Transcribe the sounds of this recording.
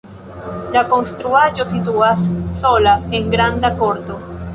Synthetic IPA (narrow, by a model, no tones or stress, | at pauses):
lako̞nst̪ɾuaʒo̞situasːo̞laeŋɡɾand̪ako̞ɾt̪o̞